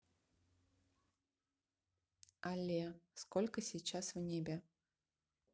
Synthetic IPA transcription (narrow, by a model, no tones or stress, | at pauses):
ɐlʲɛskɔlʲkɐsʲijt͡ʃaswnʲebʲɛ